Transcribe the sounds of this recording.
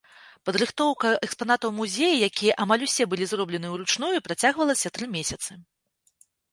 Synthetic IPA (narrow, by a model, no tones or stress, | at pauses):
pɐd̪ɾɨxt̪ɔwkɐʔɛkspanat̪ɐwmuzʲejijakʲijɐʔamalʲusʲɛbɨlʲizrɔblʲɛnɨwɾut͡ʂnujupɾat͡sʲaɣvɐlˠɐsʲɐt̪ɾɨmʲesʲɐt̪sɨ